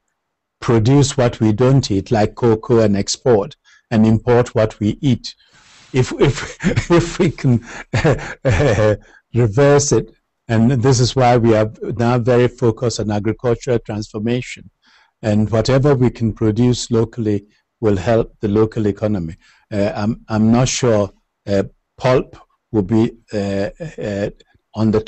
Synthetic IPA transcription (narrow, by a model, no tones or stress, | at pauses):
pʰɹ̥ɨdjuswʌt̚ʰwidõʊ̃ntʰitʰlaɪkʰːokʰoɨ̃nɛkspʰɔɹt | ɨ̃nɪ̃mpʰɔɹt̚ʰwʌt̚ʰwiʔit | ɪfɪfɪfwikʰɨ̃n | ɹɪvɜ˞sɪt | ɨ̃nðɪs̬ɨzwaɪwiə˞naʊvɛɹifoʊkəstɔ̃næɡɹɨkʰʌlˠt͡ʃəɹəlˠtʰɹ̥æ̃nsfə˞meɪʃɨ̃n | ɨ̃nwɔɾɛvə˞wikʰn̩pʰɹ̥odjʉsloʊkʰəlˠi | wɪlˠhɛlˠp̚ðɨloʊkʰəlˠɪkʰɑnəmi | ãmãɪ̃mnətʃuɹ | pʰʌlˠp | wɪlbi | ə̃nðə